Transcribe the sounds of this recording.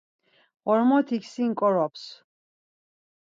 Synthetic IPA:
ʁɔɾmɔt̪ʰikʰsiŋkʼɔɾɔps

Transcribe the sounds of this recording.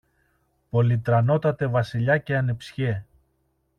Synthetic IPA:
po̞lit̪ɾɐno̞t̪ɐt̪e̞vɐsiʎɐce̞ɐnepsçe

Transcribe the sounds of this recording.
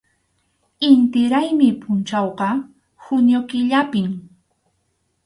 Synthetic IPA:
ɪnt̪ɪɾajmɪpʊnt͡ʃɑwɢɑ | hʊnjokɪʎapɪm

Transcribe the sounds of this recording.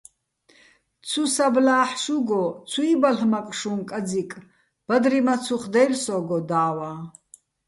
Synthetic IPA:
t͡sʰusablaːħʃuɡɔt͡sʰuibaɬmakʼʃunkʼad͡zikʼ | b̥ad̪ɾimat͡sʰuχd̪ɛjrsɔɡɔd̪aːwa

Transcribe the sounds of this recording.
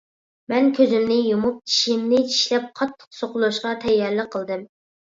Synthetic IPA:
mɛnkʲʰøzymnɪjumup̚t͡ʃʰi̥ʃimnɪt͡ʃʰi̥ʃlɛp̚qʰɑt̪ʰːə̥qsoqʊlˠuʃqɑt̪ʰɛjːɛɾlɪqʰːəlˠd̪ɨm

